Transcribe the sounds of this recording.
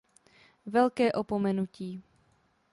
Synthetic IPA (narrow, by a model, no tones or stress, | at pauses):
vɛlkɛːʔopomɛnuciː